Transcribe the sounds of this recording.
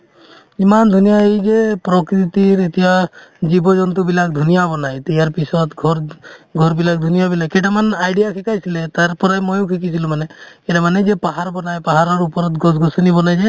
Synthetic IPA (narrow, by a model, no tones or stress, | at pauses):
imand̪ʱunijaejd͡ʒepɾɔkɾit̪iɾit̪ibad͡ʒibɔd͡ʒɔnt̪̬ubilakʰd̪ʱunijabɔnajt̪ijaɾpisɔt̪ɡʱɔɾɡʱɔɾbilak̚ʰd̪ʱunijabilajkeʈamanajɖijakʰikajsʰilet̪aɾpɔɾajmɔjkʰikit͡ʃʰilumaneeʈamaned͡ʒepaɦaɾbɔnajpaɦaɾɔɾupɔɾɔt̪ɡɔsɡɔsɔnibɔnajd͡ʒe